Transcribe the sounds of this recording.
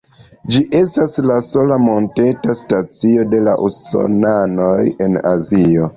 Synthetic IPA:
d͡ʒiʔe̞staslaso̞lamo̞nte̞tastat͡sio̞de̞laʔuso̞̰nano̞je̞na̰zio̞

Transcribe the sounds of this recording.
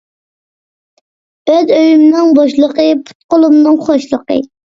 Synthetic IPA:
øzøjymnɪŋbɑʃlˠəqəpʰu̥t̪̚qolˠumnɨŋχoʃlˠəqə̰

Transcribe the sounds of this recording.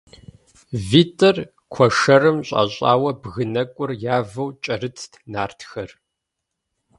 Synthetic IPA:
viːtʰʼɐr | kʷʰɔʂɐrɨmɕʼɐ̰ɕʼa̰ːwɐbɣɨnɐkʷʼʊrjaːvɐwt͡ʃʼɐrɨt͡sʰtʰnaːrtʰxɐr

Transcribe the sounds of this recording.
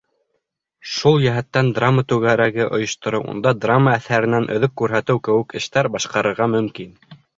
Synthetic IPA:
ʃulˠjæɦæt̪ːænd̪ramːət̪ʉɣæɾæɡɘʔŏjŏʃt̪ŏɾɤwʔṵnd̪ɑd̪ramːəæθæɾɘ̆nænʔɵ̆ðɵk̚kʉɾɦæt̪ɘwkɘ̆wɘkɘ̆ʃt̪æɾbɑʃqɑɾɤ̆ɾʁɑmɵ̆mkin

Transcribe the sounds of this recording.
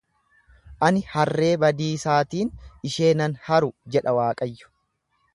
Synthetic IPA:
ʔɐnɪhɐrːe̞ːbɐd̪iːsaːt̪iːnɪʃe̞ːnɐnhɐɾʊd͡ʒɛᶑɐwaːkʼɐjːʊ̥

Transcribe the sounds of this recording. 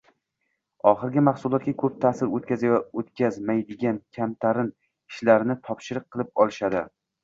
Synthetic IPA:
ɒχɨɾɡʲɪmaχsʊlˠɒt̪̚ɡʲakʰɵp̚t̪ʰasɪɾot̪kʲazajɒot̪kʲʰazmajd̪ɪɡʲankʲʰamt̪ʰaɾɪn | ɪʃlaɾnɪt̪ʰɒpʃɪɾɨq̚qʰːɨlˠɪp̚ɒlˠɪʃad̪ɪ

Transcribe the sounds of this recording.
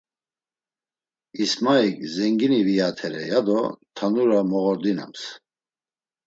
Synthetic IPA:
ismaikzɛŋɡinivijat̪ʰɛɾɛ̰jad̪ɔt̪ʰanuɾamɔɣɔɾd̪ina̰ms

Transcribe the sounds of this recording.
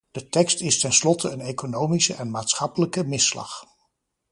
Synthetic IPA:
d̥ətɛkstɪstɛnslɔtʰəənejkonowmisəʔɛnmaːtsχɑpələkəmɪslɑ̰χ

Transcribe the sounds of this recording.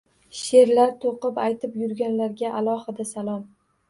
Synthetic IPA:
ʃe̞ɾlaɾt̪ʰoqɨpajt̪ʰɪpjʊɾɡʲanlaɾɡʲaʔalˠɒhɨd̪asalˠɒm

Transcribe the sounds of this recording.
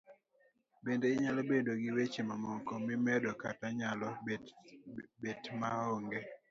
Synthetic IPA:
bendeɪɲalɔbedoɡɪwet͡ʃemamɔŋkɔmɪmɛdɔkataɲalɔ | betmaoŋɡe

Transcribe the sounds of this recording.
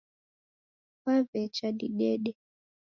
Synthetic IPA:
kavɛt͡ʃaɗiɗɛɗɛ

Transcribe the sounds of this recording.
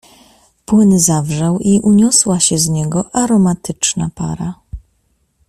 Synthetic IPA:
pwɘnzavʐawiʔuɲɔswaɕɛzɲɛɡɔʔaɾɔmat̪ɘt͡ʂnapa̰ɾa

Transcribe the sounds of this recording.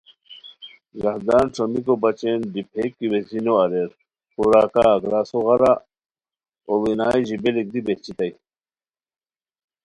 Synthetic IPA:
ɡɐhd̪aːnʈ͡ʂʰomikobɐt͡ɕenɖipʰeːkːiwezinoɐɾeɾ | puɾaːkaɐɡɾaːsoɣɐɾa | owinaːiʑibelik̚d̪ibet͡ɕit̪ɐj

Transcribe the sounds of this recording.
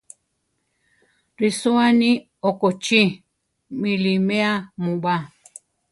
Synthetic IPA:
ɾisoani | okot͡ʃi | milimeamũɓa

